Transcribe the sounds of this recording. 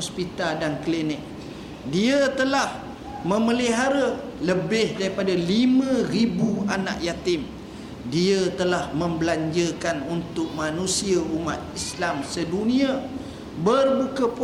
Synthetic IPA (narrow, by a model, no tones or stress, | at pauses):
ɔspit̪aldanklinɪk̚ | diat̪əlah | mə̃məliɦaɾa | ləbɪhdaɾipadalimə̃ɾibuana̰ʔjat̪ɪm | diat̪əlahmə̃mbəlaɲd͡ʒəkanunt̪ʊk̚mãnũsiauma̰t̪̚islamsədunĩa | bərbukəp